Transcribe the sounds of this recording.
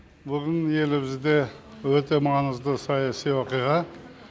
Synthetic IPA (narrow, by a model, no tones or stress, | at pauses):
bʊɾənje̞lɪbɪzd̪e̞wɵt̪e̞mɑnəzd̪əsɑjɑsijwoqɨjʁɑ